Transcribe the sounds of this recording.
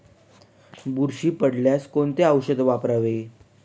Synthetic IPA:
buɾɕiːpəɽljaskont̪eəwɕəd̪ʋapɾaʋe

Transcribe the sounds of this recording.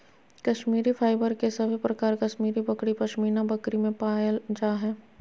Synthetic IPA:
kɐʃmiːɾifʰaːɪbəɾkesɐbʱipɾɐkaːɾkɐʃmiːɾibɐkɽipɐʃmiːnãbɐkɾimẽpaːld͡ʒaːɦɛː

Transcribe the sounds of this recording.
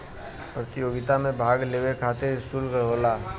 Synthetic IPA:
pɾət̪ɪjoːɡɪt̪amẽbʱaːɡleːwekʰaːt̪eɪsuːlkəɦoːlaː

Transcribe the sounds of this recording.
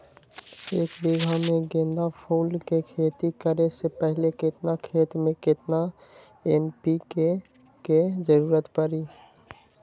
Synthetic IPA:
eːkbiɡʱamẽɡẽːnd̪apʰuːlkekʰeːt̪ikəɾesepɛɦlekɪt̪nakʰeːt̪mẽkɪt̪na | enpike | ked͡ʒəɾuːɾət̪pəɾiː

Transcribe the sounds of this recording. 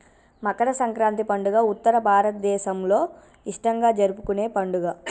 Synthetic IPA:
mɐkɐɽɐsɐŋkɾaːnt̪ipɐɳɖuɡaːut̪ːɐɾɐbʱaːɾɐt̪ɐd̪ɛːʃɐmloː | iʂʈɐŋɡaːd͡ʒɐɾupukune̞ːpɐɳɖuɡaː

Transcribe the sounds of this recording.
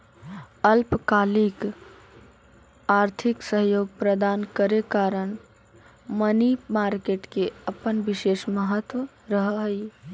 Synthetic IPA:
əlpkalik | aɾt̪ʰiksəɦjoɡpɾəd̪ankəɾekaɾən | mənimaɾkeʈkeəpənbiʃeʃməɦət̪wə | ɾəɦɦəj

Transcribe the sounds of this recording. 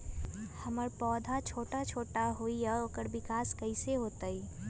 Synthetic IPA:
hɐməɾpɔːd̪ʱat͡ʃʰoːʈat͡ʃʰoːʈaɦoːijaoːkəɾbɪkaːskɐɪseɦoːt̪aiː

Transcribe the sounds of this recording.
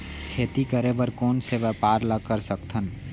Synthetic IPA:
kʰeːt̪ikəɾebəɾkoːnseʋəpaːɾləkːəɾsəkt̪ʰən

